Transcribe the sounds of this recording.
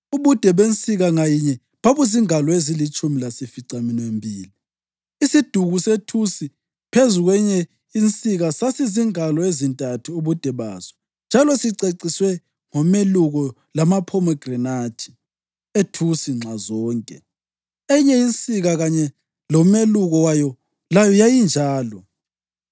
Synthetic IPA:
uβud̥ʱɛβent͡sʼiɣaŋajiɲɛ | βaβuziŋalɔezilit͡ʃʼumilasifiǀaminwembʱiːli | isid̥ʱuɣusetʰusi | pʰezuɣwɛɲɛ | int͡sʼiɣasasiziŋalɔezintʼatʰuuβud̥ʱɛβa̰ːzɔ̥ | nd͡ʒʱalɔsiǀeǀiswɛ | ŋɔmeluɣɔ | lamapʰɔmɛɡ̥rɛnḁʒ̥ʰʱʼi̥ | etʰusiŋ͡ǁʱazɔːŋkʼɛ̰ | ɛɲɛint͡sʼiɣaɣaɲɛ | lɔmeluɣɔwajɔ | lajɔjajind͡ʒʱaːlɔ

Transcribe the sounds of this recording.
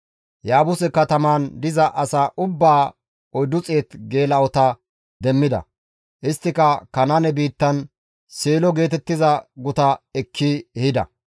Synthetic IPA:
jaːbʊsɛkːɐt̪ɐmaːnd̪ɪzɐʔɐsaːʔʊbːaː | ɔjd̪ʊt͡sʼe̞ːt̪ɡe̞ːlɐɔt̪ɐ | d̪ɛmːɪd̪ɐ̰ | ʔɪst̪ːɪkɐkɐnɐnɛbiːt̪ːɐn | seːlɔɡe̞ːt̪ɛt̪ːɪzɐɡʊt̪ɐɛkʰːiɛhɪd̪ɐ̰

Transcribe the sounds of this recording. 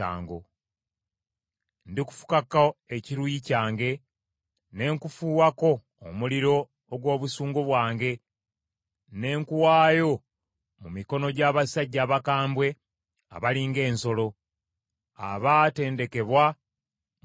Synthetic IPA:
a̰ːŋɡo | ndiku̥fu̥kakae̞ciɾujicaːŋɡe̞ | ne̞ːŋkufuːwako̞ː | muliɾo̞ː | ɡwo̞ːβusuːŋɡoβwaːŋɡe̞ | ne̞ːŋkuwaːjo̞ | mumiko̞no̞ɟaβasaɟːaːβakaːmbwe̞ | a̰βaliːŋɡe̞ːnso̞lo̞ | a̰βate̞ːnde̞ke̞βwa

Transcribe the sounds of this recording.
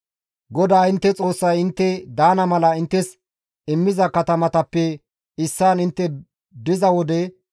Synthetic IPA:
ɡɔd̪aːɪnt̪ːɛt͡sʼo̞ːsːɐjɪnt̪ːɛd̪aːnɐmɐlɐɪnt̪ːɛs | ɪmːɪzɐkɐt̪ɐmɐt̪ɐpːɛ | ɪsːaːnɪnt̪ːɛ | d̪ɪzɐwɔd̪ɛ

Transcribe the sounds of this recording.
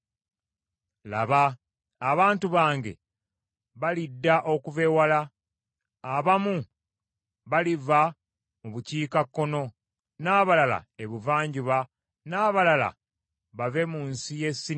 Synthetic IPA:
la̰βaː | βaːntuβaːŋɡe̞̰ | βalidːaʔo̞kuve̞walaː | βamu | βaliva | muβuciːkakːo̞no̞ | naːβalala̰eβuvaːɲɟuβa | naːβalala̰ | βave̞muːnsije̞sːi

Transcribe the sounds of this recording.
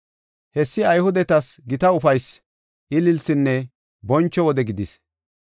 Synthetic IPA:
hɛsːɪɐjhʊd̪ɛt̪ɐsɡɪt̪ɐʊfɐjs | ʔɪlɪlsɪnːɛ | bɔnt͡ʃːɔwɔd̪ɛɡɪd̪ɪs

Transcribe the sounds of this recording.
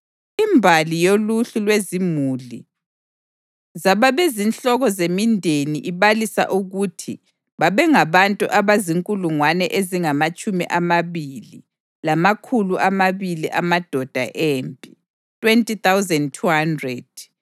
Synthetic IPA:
imbʱalijoluɬulwezimuli | zaβaβezinɬɔɣɔzemindʱeniʔiβalisa̰ʔuɣutʰḭ | βaβɛŋaβantʼṵʔaβaziŋkʼuluŋwanɛʔeziŋamat͡ʃʼumḭʔamaβili | lamakʰuluʔamaβiliʔamad̥ʱɔd̥ʱa̰ʔempʼi | tʰʼwentʼit̪awzɛndtʰuhandrɛd̥̚

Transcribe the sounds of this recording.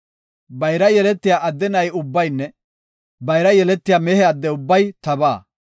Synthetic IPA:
bɐjɾɐjɛlɛt̪ːɪjaːʔɐd̪ːɛnɐjʊbːɐjnːɛ | bɐjɾɐjɛlɛt̪ːɪjaːmɛhɛɐd̪ːɛʊbːɐjt̪ɐbaː

